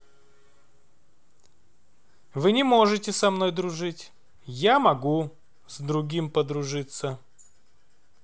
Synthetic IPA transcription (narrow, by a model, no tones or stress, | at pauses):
vɨnʲɪmo̞ʐɨtʲɪsɐmno̞jd̪ɾʊʐɨtʲ | jamɐɡu | zd̪ɾʊɡʲimpəd̪ɾʊʐɨt̪sə